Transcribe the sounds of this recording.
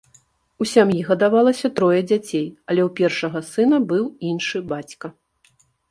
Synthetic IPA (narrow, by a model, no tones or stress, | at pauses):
usʲamjiɣɐd̪avalˠɐsʲɐt̪ɾɔjɐd͡zʲat͡sʲejɐlʲɛwpʲɛrʂɐɣɐsɨnɐbɨwinʂɨbat͡sʲkɐ